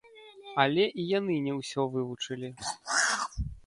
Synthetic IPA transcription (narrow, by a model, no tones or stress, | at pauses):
alʲɛʔijanɨnʲɛwsʲɔvɨvut͡ʂɨlʲi